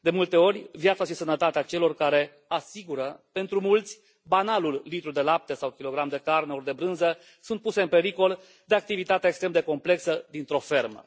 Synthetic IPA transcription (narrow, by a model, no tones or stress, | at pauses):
d̪e̞mult̪e̞o̞ɾʲvjat̪saʃisənət̪at̪eat͡ʃe̞lo̞rkaɾe̞ | asiɡuɾəpe̞nt̪ɾumult̪sʲ | banalulːit̪ɾud̪e̞lap̚t̪esawkʲilo̞ɡɾamd̪e̞karneord̪e̞bɾɨnzə | sunt̪puse̞ɨnpe̞ɾiko̞l | d̪e̞ak̚t̪ivit̪at̪eaekst̪ɾemd̪e̞ko̞mple̞ksəd̪int̪ɾo̞fe̞rmə̰